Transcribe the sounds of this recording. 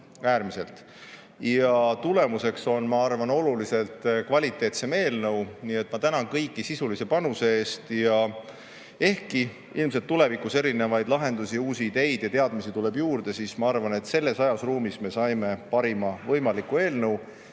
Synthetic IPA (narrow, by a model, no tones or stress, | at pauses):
æːɾmiselt̪ | jɑt̪ule̞muse̞kso̞nmɑɑrvɑno̞lulise̞lt̪kvɑlʲit̪ːˑe̞ːt̪se̞me̞ːlnɤwniːe̞t̪ːˑmɑt̪ænɑnkɤjkːˑisisulise̞pɑnuseeːst̪jɑ | e̞hki | ilms̬et̪ːule̞vikuse̞ɾine̞vɑjd̪̥lɑɦe̞nd̪usiuːsiːd̪e̞jd̪̥jɑt̪e̞ɑd̪misit̪ule̞bjuːrd̪̥e̞sismɑɑrvɑne̞t̪se̞lːe̞sɑjɑsruːmisme̞sɑjme̞pɑɾimɑvɤjmɑlikːˑue̞ːlnɤw